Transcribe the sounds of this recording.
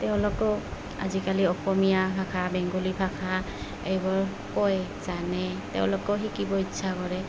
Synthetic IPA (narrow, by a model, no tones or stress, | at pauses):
t̪eʊ̃lɔkɔ | a̰zikaliɔxɔmijapʰakʰabɛŋɡɔlipʰakʰa | ḛjbɔɹ | kɔjzanɛt̪ɛ̰ʊ̰̃lɔkɔɦikibɔitːsʰakɔɹɛ